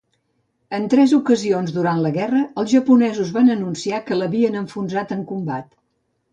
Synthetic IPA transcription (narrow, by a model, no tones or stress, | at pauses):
ənt̪ɾɛzukəzionzðuɾant̪ləɣɛrəəlˠzʒəpunɛzuzβanənunsiakələβiənəɱfunzat̪əŋkumbat̪